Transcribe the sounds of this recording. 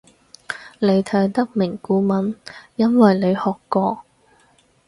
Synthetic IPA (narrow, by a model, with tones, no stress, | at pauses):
ne˨˧jt̪ʰɐ˨˥jt̪ɐ˥k̚mɪ˨˩ŋkuː˨˥mɐ˨˥njɐ˥nwɐ˨jle˨˧jhɔː˨kːɔː˧